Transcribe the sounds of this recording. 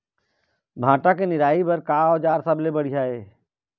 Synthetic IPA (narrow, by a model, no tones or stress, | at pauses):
bʱãːʈakenɪɾaːibɐɾkaːɔːd͡ʒaːɾsəblebəɽ̤ijaɦeː